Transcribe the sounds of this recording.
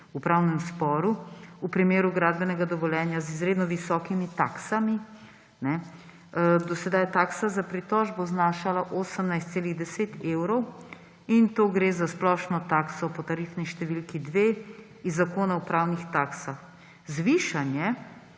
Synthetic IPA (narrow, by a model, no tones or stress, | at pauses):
upɾawnɛmspɔɾuupɾimeːɾuɡɾaːd̪̚bɛnɛɡad̪ɔʋɔljɛːnjazizɾeːd̪nɔʋisɔːkimit̪aksami | nɛ | d̪ɔsɛd̪ajt̪aːksazapɾit̪ɔʒboznaːʃalaʔoːsəmnajst̪seːliɣd̪ɛseːt̪ewɾɔw | int̪oɡɾezasplɔʃnɔt̪aksɔpɔt̪aɾifniʃt̪ɛʋilkid̪ʋe | izːakoːnawpɾawnixt̪aksax | zʋiːʃanjɛ